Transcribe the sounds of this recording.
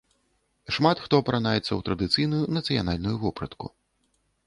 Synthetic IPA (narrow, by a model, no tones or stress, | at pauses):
ʂmat̪xt̪ɔpɾanajɛt̪sːɐwt̪ɾɐd̪ɨt̪sɨjnujunɐt̪sɨja̰nalʲnujuvɔpɾɐt̪kṵ